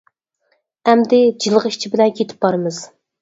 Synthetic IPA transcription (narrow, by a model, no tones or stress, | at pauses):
ɛmd̪ɪd͡ʒilˠʁəʃt͡ʃʰibɪlɛnkʲʰet̪ʰɪ̥p̚bɑɾɨmɨz̥